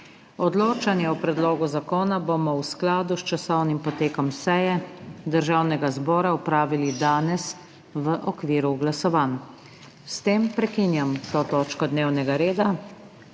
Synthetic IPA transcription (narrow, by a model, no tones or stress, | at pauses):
ɔd̪loːt͡ʃanjɛupɾɛd̪loːɡuzakoːnabomɔwsklaːd̪ust͡ʃasɔwnimpɔt̪eːkɔmsɛjɛd̪əɾʒaːwnɛɡazbɔːɾaupɾaːʋilid̪aːnɛs | ʋəʔɔkʋiːɾuɡlasɔʋan | st̪eːmpɾɛkiːnjamt̪oːt̪oːt͡ʃkɔd̪neːwnɛɡaɾeːd̪a